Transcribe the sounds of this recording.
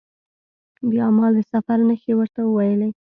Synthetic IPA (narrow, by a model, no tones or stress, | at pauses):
d̪əɑmɑld̪əsafaɾnəxewəɾt̪awəwajəlej